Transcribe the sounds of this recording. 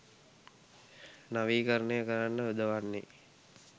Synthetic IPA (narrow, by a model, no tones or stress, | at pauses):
naʋiːkəɾənejəkəɾanːəʋed̪əʋanːḛ